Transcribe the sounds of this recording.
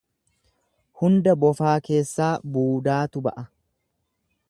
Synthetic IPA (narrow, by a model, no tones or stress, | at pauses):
hʊnd̪ɐbɔfaːke̞ːsːaːbuːd̪aːt̪ʊbɐ̰ʔɐ